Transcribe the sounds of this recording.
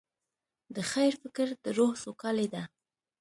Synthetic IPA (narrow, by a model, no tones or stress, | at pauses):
d̪əxajɾfɪkɾd̪̥əɾohsokɑled̪a